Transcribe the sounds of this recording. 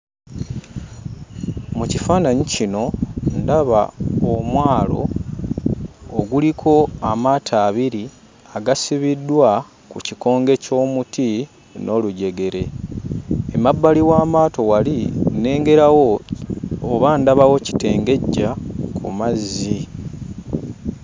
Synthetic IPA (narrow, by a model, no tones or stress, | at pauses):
mucifaːnaɲicino̞ndaβa̰omwaːlo̞̰ | ɡulikʰo̞amaːtʰaːβiɾi | aɡasiβidːwa | kuciko̞ːŋɡe̞co̞ːmuti | nʔo̞luɟe̞ɡe̞ɾe̞ | emabːaliwaːmaːto̞waline̞ːŋɡe̞ɾawo̞ː | βandaβawo̞ci̥te̞ːŋɡe̞ɟːakʰṵmazːi